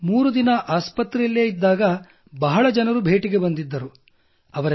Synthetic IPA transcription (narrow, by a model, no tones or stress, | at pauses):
muːɾud̪inɐʔaːspɐt̪ɾelːeːid̪ːaːɡɐ | bɐɦɐɭɐd͡ʒɐnɐɾubʱeːʈiɡe̞bɐnd̪id̪ːɐɾu | ɐʋɐɾ